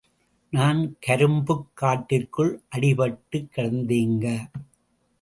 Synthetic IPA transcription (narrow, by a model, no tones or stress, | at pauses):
naːnkɐɾɯmbɯkːaːʈːɪrkɯɭʔɐɽɪpɐʈːɯkːɐɽɐnd̪eːŋɡɐ